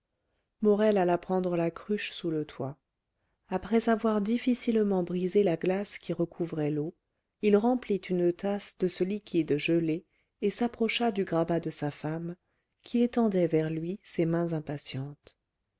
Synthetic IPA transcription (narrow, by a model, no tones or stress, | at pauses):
mɔʁɛlalapχɑ̃d̪ʁəlakχyʃsulət̪ʰwa | apχɛzavwaʁd̪ifisilmɑ̃bʁizelaɡlaskʲiʁəkʰuvʁɛlo | ilʁɑ̃plit̪ynət̪asd̪əsəlikʲid̪ʒəleː | sapχɔʃad̪yɡʁabad̪əsafam | kʲʰiet̪ɑ̃d̪ɛvɛʁlɥisemɛ̃zɛ̃pasjɑ̃t̪